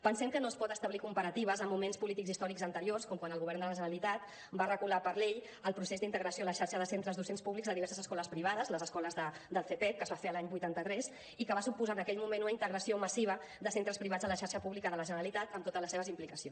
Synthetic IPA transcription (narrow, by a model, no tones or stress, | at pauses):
pənsɛmkənospɔt̪əst̪əβlikumpəɾət̪iβəzəmːumenspulit̪ikɡzist̪ɔɾikzənt̪əɾiorskɔmkwanəlˠɣuβɛɾrnd̪ələʒəɾəlit̪at̪ | barəɣulapəɾleʎ | əlˠpɾusezd̪int̪əɣɾəsioələʃaɾʃəðəsent̪ɾəzðusenspuβlikzðəðiɛɾsəzəskɔləspɾiβ̞aðəzləzəskɔləzðə | d̪əlˠθep̪ɛt̪̚kəzβafeəlaɲbujt̪ant̪ət̪ɾɛs | ikəβasupuzaːnəkɛʎmumenunəint̪əɣɾəsioməsiβ̞ə | ðəsent̪ɾəspɾiβad͡zələʃaɾʃəpuβlikəðələʒənəɾəlit̪at̪əmt̪ot̪ələseβəzimplikəsio